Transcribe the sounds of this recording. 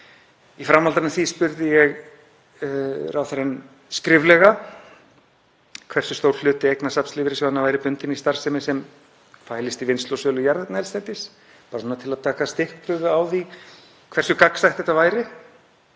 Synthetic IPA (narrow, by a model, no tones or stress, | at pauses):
ifɾamːalt̪anɪθispʏɾðɪjɛɣ | rʔaːwθaɾɛn | skɾɪvlɛɣa | kʰvɛrsʏst̪owɾ̥l̥ʏːt̪ɪejknasapnslɪːvɪɾɪsɛmhanːavajɾɪpʏnt̪ɪnist̪aɾ̥sɛmɪsɛm | faːjlɪst̪ivɪnst̪lɔsœːlʏjaɾðt̪naɛlst̪ɛt̪ɪs | paːɾasɔnat̪ʰɪlaðt̪ʰaːkast̪ɪhkpʰɾʏvʏaːwði | kʰvɛrsʏkaksajht̪θɛht̪avaːjɾɪ